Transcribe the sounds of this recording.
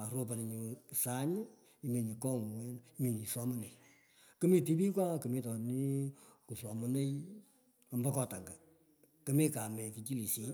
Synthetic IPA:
a˨ɾo˧p̬a˨n˨ɲu˨sa˦ɲɪ˦ | i˦me˨ɲi˨kɔ˦ŋ˨wɛ˦ni˦me˨ɲi˨sɔ˦mɨ˦ne˨i | kɨ˦mi˦ti˦bi˦kwa˦kɨ˨me˦tɔ˨ni˦ku˨sɔ˨mɔ˦ne˦i | a˨mba˦kɔ˨ta˨ŋɡa˨ | kɨ˦mi˦ka˨mɛ˨ki˨t͡ʃi˦li˨si˦

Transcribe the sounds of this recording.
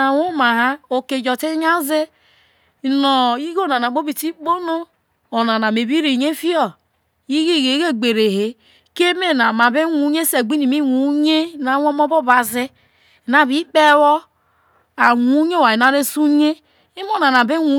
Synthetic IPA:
a˨wo˦ma˨ɦa˦o˨ke˨d͡ʒɔ˨te˦ɲa˦ze˦˨ | no˨i˦ɡo˦˨na˨na˨bo˦bi˨ti˦k͡po˦no˦ | o˨na˨na˨me˨bi˦ɾi˨ɲe˦fi˦ɔ˦˨ | i˦ɡi˦˨ɡe˨˦ɡe˦˨ɡ͡be˨ɾe˨ɦe˨ | ke˦me˦na˨ma˨be˦wu˨˦ɲe˦se˨ɡ͡bi˦ni˨mi˦wu˨˦ɲe˦˨na˨˦wo˦mo˦bo˦ba˨ze˦˨ | na˨βi˦k͡pe˦wɔ˦ | a˨wu˨˦ɲe˦wa˨i˨na˨ɾe˦su˦ɲe˦ | i˦mo˦na˨na˨be˦wu˨˦

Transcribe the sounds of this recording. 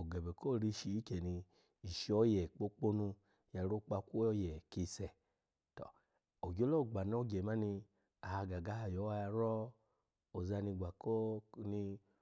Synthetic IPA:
o˨ɡɛ˨bɛ˨ko˦˨ɾi˧ʃi˨i˦kɛ˨ni˧ | i˨ʃi˧ɔ˨˦jɛ˨k͡po˦k͡po˦nu˧ | ja˨ɾo˦k͡pa˧kʷo˦jɛ˨ki˧sɛ˨ | tɔ̰˨ | o˨ɡo˦lo˦˨ɡ͡ba˨n˦ɔ˧˦ɡɛ˨ma˦ni˧ | a˨ha˧ɡa˨ɡa˨˦a˧˨jɔ˨˦wa˧ja˧ɾɔ˦ | o˨za˧ni˧ɡa˨ko˦ni˧

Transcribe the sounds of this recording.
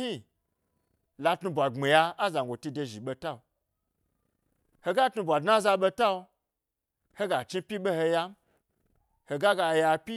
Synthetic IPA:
hi˦ | la˧tnu˧bʷa˨ŋ͡me˨ja˧a˦za˨ŋ˨ɡʷo˨ti˧de˧ʒi˨ɓo˧ta˦o˧ | ho˧ɡa˦tnu˧bʷa˨dna˦za˧ɓo˧ta˦o˧ | ho˦ɡa˨t͡ʃi˦pʲi˦ɓe˦ho˧ja˧m̩˦ | ho˧ɡa˦ɡa˧ja˧pʲi˦

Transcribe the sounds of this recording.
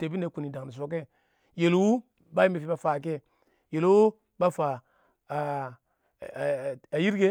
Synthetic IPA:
te˨bi˦ne˨˦ku˨ni˨da˨ŋ˨ni˨s̬o˨ke˦ | je˨lwu˦ | ba˦i˦me˨fi˨ba˦fa˨k̬e˦ | je˨lwu˦ | ba˦fa˨ | a˨ji˦ɾɡe˦

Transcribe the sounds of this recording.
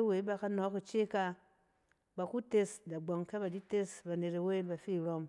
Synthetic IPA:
e˦we˨˦ba˨ka˧nɔ˨˦ku˨t͡ʃe˦ka˧ | ba˨ku˦te˧sda˨ɡ͡bo˨ŋka˦ba˨di˦te˦sba˨ne˨ɾe˨we˦ba˨fi˦˨ɾo˧m

